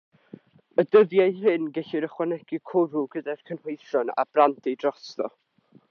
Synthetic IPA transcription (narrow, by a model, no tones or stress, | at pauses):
ədəðjajrɨnɡɛɬɪɾəχwanɛɡ̥ikʰʊɾuɡədɛrkʰənhojθjɔna̰b̥rantʰidrɔstɔ̰